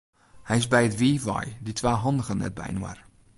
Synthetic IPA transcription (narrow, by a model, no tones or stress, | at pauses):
hɛjɪzbɛjətʋiːvɔ̰jditʋaːɦɑndəɣənɛ̰t̚bɛ̰jnwaə̰r